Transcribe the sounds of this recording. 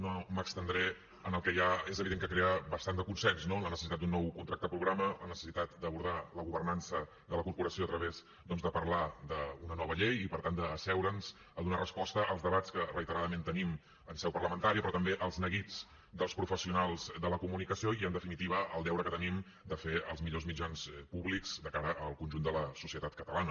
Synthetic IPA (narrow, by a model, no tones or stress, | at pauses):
noməkst̪ənd̪ɾɛ | ənəlˠkɛjaezəβiðeŋkəkɾeəβəst̪and̪əkunsɛnznoənlənəsəsit̪at̪unːɔwkunt̪ɾak̚t̪əəpɾuɣɾamələnəsə̥sit̪at̪̚d̪əβuɾð̞aləɣuβərnansə | d̪ələkuɾpuɾəsioət̪ɾəβez | d̪ɔnzðəpərlad̪əunənɔβəʎejipəɾt̪and̪əːsɛwɾənz̥ | əðunarəspɔst̪əʔəlˠzðəβat͡skərəit̪əɾaðəmẽnt̪ənim | ənsɛwpərləmənt̪aɾiəpɾɔt̪əmbeʔəlˠznəɣid͡z | d̪əlˠspɾufəsiunalˠzd̪ələkumunikəsioiənd̪əfinit̪iβəəlˠd̪ɛwɾəkət̪ənim | d̪əfeəlˠzmiʎozmid͡ʒanspuβlikz̥d̪əkaɾəʔəlˠkunʲʒund̪ələsusiət̪at̪̚kət̪əlanə